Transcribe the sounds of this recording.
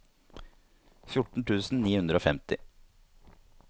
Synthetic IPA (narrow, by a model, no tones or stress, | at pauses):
fjʊʈɳ̩ʈ̪ʰʉːsn̩niːhʉnd̪ɾəoːfɛmt̪ɪ